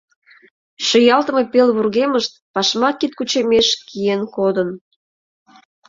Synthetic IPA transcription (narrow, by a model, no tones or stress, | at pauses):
ʃojɑlt̪ə̆me̽pelβurɣeməʃt̪̚pɑʃmɑkit̪̚kut͡ɕemeʃkijenkod̪ən